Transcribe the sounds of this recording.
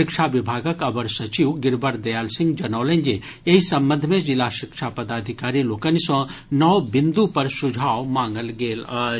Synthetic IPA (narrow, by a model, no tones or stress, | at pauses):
ɪkʃaʋɪbʱaːɡəkɐbəɾsɐt͡ʃiwɡɪɾbəɾd̪ɐjaːlsɪ̃ŋɡd͡ʒɐnɐːlẽɲd͡ʒe | jeɦisɐ̃mbənd̪ʱmẽd͡ʒɪlaːʃɪkʃapɐd̪aːd̪ʱɪkaːɾiloːkənisɔ̃nɐʋbɪ̃nd̪upɐɾsʊd͡ʒʱaːʋmãːŋɡəlɡeːl